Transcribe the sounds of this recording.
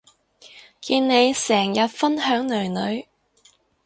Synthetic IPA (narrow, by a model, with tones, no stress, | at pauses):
kiː˧nne˨˧jsɛː˨˩ŋjɐ˨t̚fɐ˥nɦœː˨˥ŋlɵ˨˩nɵ˨˧ɥ